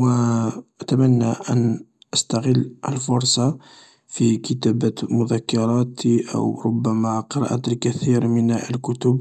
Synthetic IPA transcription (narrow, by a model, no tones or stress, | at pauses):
wəʔæt̪æmænːæʔən | ʔəst̪ɑɣəlːʔə̰lfʊɾˤsˤɑ | fikət̪æbæmʊðækːɑɾˤɑt̪iʔə̰wɾˤʊbːæmæqəɾˤɑ̰ʔat̪lkæθiɾmənəlkʊt̪ʊb